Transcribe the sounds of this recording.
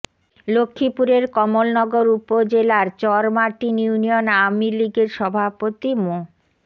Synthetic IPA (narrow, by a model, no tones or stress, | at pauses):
lokʰːipuɾeɾkɔmolnɔɡoɾupod͡ʑelaɾt͡ɕɔɾmaʈinunionawmiliɡeɾʃɔbʱapot̪imo